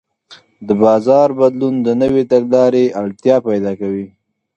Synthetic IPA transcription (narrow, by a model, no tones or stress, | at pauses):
d̪əbɑzɑɾbad̪lund̪ənəwet̪aɡlɑɾeʔaɭt̪jɑpajd̪ɑkawi